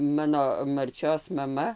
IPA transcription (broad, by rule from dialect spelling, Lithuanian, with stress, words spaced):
ˈmɑːnoː mɐrʲˈt͡ʃʲoːs mɐˈmɐ